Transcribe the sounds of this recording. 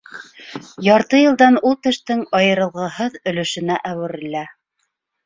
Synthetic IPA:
jɑɾt̪ɤjɤ̆lˠd̪ɑnulˠt̪ɘ̆ʃt̪ɘŋɑjɤ̆ɾɤ̆lˠʁɤhɤðɵ̆lɵ̆ʃɵ̆næʔæwɘ̆ɾɘ̆læ

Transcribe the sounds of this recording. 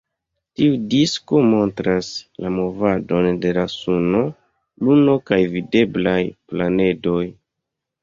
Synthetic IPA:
tiudisko̞mo̞ntɾaslamo̞vado̞nde̞lasuno̞ | luno̞kajvide̞blajplane̞do̞j

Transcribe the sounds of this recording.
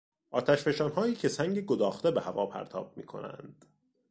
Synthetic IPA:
ʔɒːt̪ʰæʃfe̞ʃɒːnɦɒːjiːcʰe̞sæŋɟeɡod̪ɒːxt̪ebehævɒːpʰæ̰ɾt̪ʰɒ̰ːb̥̚mḭːkʰo̞̰næ̰nd̪̥

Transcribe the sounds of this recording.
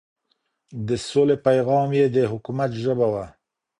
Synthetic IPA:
d̪əsolepajɣɑmjed̪əɦʊkumat̪ʒəbawa

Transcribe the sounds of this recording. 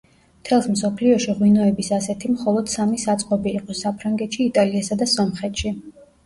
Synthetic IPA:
mt̪ʰɛlˠsmsɔpʰliɔʃiʁwinɔɛbisasɛt̪ʰimχɔlˠɔd̪̥samisat̪sʼqʼɔbiːqʼɔsapʰɾaŋɡɛt̪ʃiːt̪ʼaliasad̪asɔmχɛt̪ʃi

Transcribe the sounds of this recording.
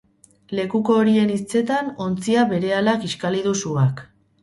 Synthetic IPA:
le̞kuko̞ːɾie̞nist͡se̞t̪ano̞nt͡siaβe̞ɾe̞alakiʃkaliðusuak

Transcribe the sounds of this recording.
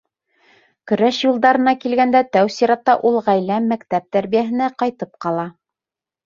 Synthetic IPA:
kɵ̆ɾæʃjulˠd̪ɑɾɤ̆nɑkilɡænd̪æt̪æwsiɾɑt̪ːɑʔulˠʁæjlæmːækt̪æp̚t̪æɾβijæɦɘ̆næqɑjt̪ɤp̚qɑlˠɑ

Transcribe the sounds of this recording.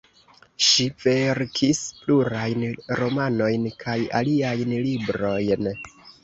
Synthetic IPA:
ʃive̞ɾkʰispluɾajnɾo̞mano̞jnkʰaja̰liajnlibɾo̞jn

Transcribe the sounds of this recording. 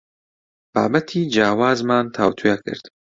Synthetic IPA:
b̥aːbɐt̪ʰiːd͡ʒaːwaːzmaːnt̪ʰaːwt̪ʰujakʰɨ̰ɾd̪̥

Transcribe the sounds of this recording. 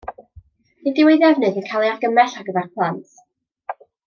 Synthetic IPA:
ɨndɪwejðɛvnɨðənkʰalˠiarɡəmɛɬaɡəvɛrpʰlˠant

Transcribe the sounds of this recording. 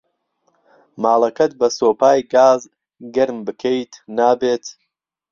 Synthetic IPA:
maːlˠɐkʰɐt̪̚bɐsoːpaːjɡaːz | ɡɐɾmbɨkʰejt̪naːbeːt̪

